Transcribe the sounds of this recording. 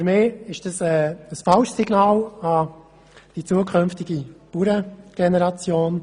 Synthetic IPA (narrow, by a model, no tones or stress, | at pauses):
fyɾmɪːɪʃd̥ɑsɛːəsfɑlʃsiɡ̥nɑːlɑ | d̥it͡suːəkʰʏnftɪɡipuɾəɡ̥ɛnɛɾɑt͡sjoːn